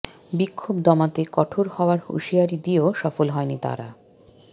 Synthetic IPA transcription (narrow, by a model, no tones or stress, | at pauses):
bikʰːobd̪ɔmat̪ekɔʈʰoɾhɔoaɾhṵʃiaɾid̪ioʃɔfolɦɔenit̪a̰ɾa̰